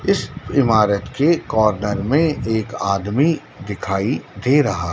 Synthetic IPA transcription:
ɪsɪmaːɾət̪kekɔːɾnəɾmẽeːkaːd̪mi | d̪ɪkʰaːid̪eːɾɐɦaː

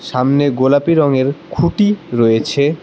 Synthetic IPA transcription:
ʃamneɡolapiɾɔŋeɾkʰuʈiɾojet͡ɕʰe

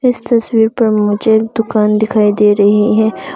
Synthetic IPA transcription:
ɪst̪ɐswiːɾpɐɾmʊd͡ʒʱek̚d̪̥ʊkaːnd̪ɪkʰaːid̪eːɾɐɦiɦɛ̃ː

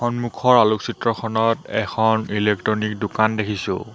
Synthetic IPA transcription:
xɔnmukʰɔɹaluksitɹɔkʰɔnɔtɛ̰kʰɔnilek̚tɹɔnik̚dokandekʰisʊ̰̃

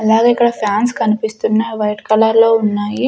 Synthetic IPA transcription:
ɐlaːɡeikːɐɽɐpʰjaːnskɐnipist̪unːɐʋɐjʈkɐlɐɾloːunːaːji

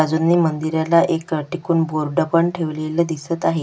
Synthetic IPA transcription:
ad͡zunːiːmənd̪iɾjalaʔekʈikuːnboɾɖəpəɳʈʰeʋleləd̪isət̪aɦe

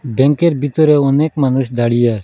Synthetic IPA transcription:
bɛ̃ŋkeɾbit̪ɔɾɛɔnekmanusd̪aɽijaɾ

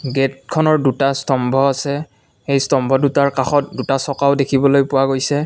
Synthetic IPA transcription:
ɡet̚kʰɔnɔɹdutastɔmbʱɔasɛ | xejstɔmbʱɔdutaɹkaxɔt̚dutasɔkaʊdekʰibɔlojpʊwaɡojsɛ

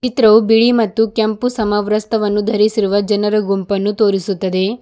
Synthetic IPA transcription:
t͡ʃit̪ɾɐʋubiɭimɐt̪ːukɐmpusɐmɐʋɾɐst̪ʰɐʋɐnːud̪ʱɐɾisiɾuʋɐd͡ʒɐnɐɾɐɡumpɐnːut̪o̞ːɾisut̪ːɐd̪e̞

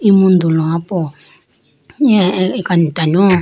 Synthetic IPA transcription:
imund̪ulɔapɔ | ɛkanitanɔ

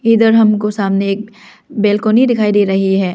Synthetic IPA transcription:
id̪əɾɦɐmkosaːmneːk̚ | beːlkoːnid̪ɪkʰaːid̪iːɾɐɦiɦɛː

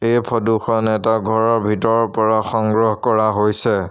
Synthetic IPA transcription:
ejpʰɔduxʰɔnɛtaɡʱɔɹɔɹbʱitɔɹɔpɔɹaxɔŋɡɹɔɦkɔɹaɦojsɛ

